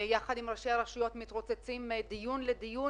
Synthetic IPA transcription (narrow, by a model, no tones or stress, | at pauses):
jaχad̪imʁaʃeaʁaʃijo̞t̪mit̪ʁot͡set͡simd̪ijunled̪iju